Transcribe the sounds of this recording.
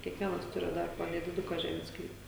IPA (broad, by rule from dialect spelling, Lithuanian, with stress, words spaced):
kʲiɛkˈʋʲiɛnɐs ˈtʊrʲɪ ˈdɐr poː nʲɛdʲɪˈdʊkɐ ˈʒʲæːmʲeːs ˈsklʲiːpɐ